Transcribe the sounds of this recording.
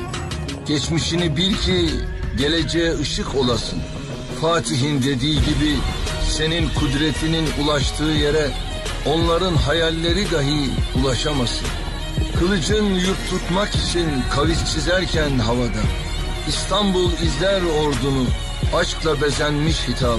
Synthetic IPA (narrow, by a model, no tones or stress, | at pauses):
ɟ̥ɛt͡ʃmiʃinibiɾcʰiɟe̞lʲe̞d͡ʒejɛɯʃɯkʰo̞lˠasɯn | faːt̪ʰiɦind̪e̞d̪iːɟibise̞ninkʰud̪ɾet̪ʰininulˠaʃt̪ʰɯːje̞ɾɛ | o̞nlˠaɾɯnɦajalʲːe̞ɾid̪aɦɯulˠaʃamasɯn | kʰɯlˠɯd͡ʒɯnjuɾp̪t̪ʰut̪makit͡ʃʰinkʰavist͡ʃʰizæɾcʰænɦavad̪a | ist̪ʰambulˠizlʲæɾo̞ɾd̪unu | at͡ʃklˠabe̞zænmiʃhit̪ʰa